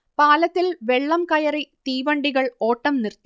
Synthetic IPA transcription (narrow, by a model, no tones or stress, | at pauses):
paːlɐt̪ːilʋeɭːɐmkɐjɐrit̪iːʋɐɳɖiɣɐɭoːʈːɐmnirt̪i